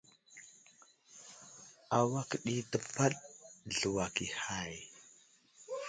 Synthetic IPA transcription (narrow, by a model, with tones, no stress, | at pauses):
a˨wa˦kə˨ɗi˦də˨ba˦ɗɮu˨wa˨ki˨ha˦˨j